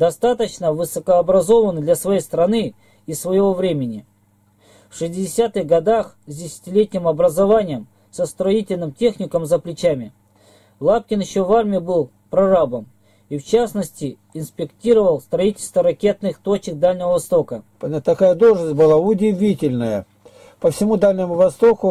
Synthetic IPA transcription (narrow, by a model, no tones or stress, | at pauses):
d̪ɐst̪at̪ət͡ɕnəvɨsəkəɐbɾɐzo̞vənd̪lʲɐsvɐjejst̪ɾɐnɨː | svəjɪvo̞vɾʲemʲɪnʲɪ | fʂɨsʲtʲɪdʲɪsʲat̪ɨɣɡɐd̪ax | zʲdʲɪsʲɪ̥tʲɪlʲetʲnʲɪmɐbɾəzɐvanʲɪjəm | səst̪ɾɐitʲɪlʲnɨmtʲe̞xnʲɪkəmzəplʲɪt͡ɕamʲɪ | lˠap̚kʲɪnjɪɕːo̞varmʲɪɪbɨlˠ | pɾɐrabəm | ift͡ɕasnəsʲtʲɪ | ɪnspʲɪktʲiɾəvəlˠst̪ɾɐitʲɪlʲst̪vəɾɐkʲe̞t̪nɨxt̪o̞t͡ɕɪk̚d̪alʲnʲɪvəvɐst̪o̞kə | t̪ɐkajəd̪olˠʐnəsʲt̚ʲbɨlˠaʊdʲɪvʲitʲɪlʲnəjə | pəfsʲɪmud̪alʲnʲɪmʊvɐst̪okʊ